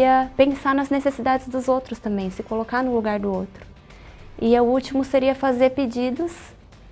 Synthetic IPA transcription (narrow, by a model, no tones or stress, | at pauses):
iɐpẽsanɐznesesid̪ad͡ʒɪzd̪ʊzowt̪ɾʊst̪ɐ̃mbẽj̃sɪkolokanʊluɡaɾd̪ʊowt̪ɾʊ̥ | ɪɐʊut͡ʃimʊseɾiɐfazeɾped͡ʒid̪ɐs